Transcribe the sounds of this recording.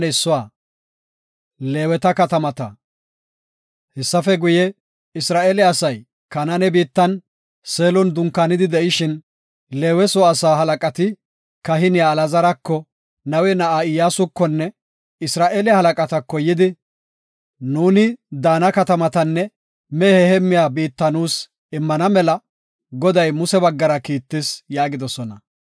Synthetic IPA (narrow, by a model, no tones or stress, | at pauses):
ɛɪsːɔwaː | le̞ːwɛt̪ɐkɐt̪ɐmɐt̪ɐ | hɛsːɐfɛɡʊjɛ | ɪsɾaːʔeːlɪɐsɐj | kɐnɐnɛbiːt̪ːɐn | se̞ːlɔnd̪ʊŋkːaːnɪd̪ɪd̪ɛʔɪʃɪn | le̞ːwɛsɔɐsaːɦɐlɐkʼɐt̪ɪ | kɐɦɪnɪjaːlɐzɐɾɐkːɔ | nɐwɛnɐʔaɪjaːsʊkːɔnːɛ | ɪsɾaːʔeːlɪhɐlɐkʼɐt̪ɐkːɔjːɪd̪ɪ | nuːnɪd̪aːnɐkɐt̪ɐmɐt̪ɐnːɛ | meːhɛhɛmːɪjaːbiːt̪ːɐnuːs | ɪmːɐnɐmɛlɐ | ɡɔd̪ɐjmʊsɛbɐɡːɐɾɐkiːt̪ːɪsjaːɡɪd̪ɔsɔnɐ